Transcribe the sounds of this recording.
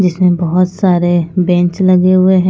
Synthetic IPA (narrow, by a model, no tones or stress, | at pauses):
d͡ʒɪsmẽbɔɦʊt̪saːɾebɛ̃ːɲt͡ʃlɐɡeɦʊeɦɛ̃